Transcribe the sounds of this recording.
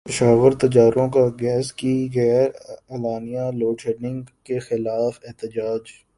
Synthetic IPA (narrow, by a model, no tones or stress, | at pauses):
pɪʃaːʋəɾt̪ɐd͡ʒaːɾõkaɡɛːskiɣɛːɾɐlaːnijãloːʈʰeɾnɪ̃ŋɡkexɪlaːfɪɦt̪ɪd͡ʒaːd͡ʒ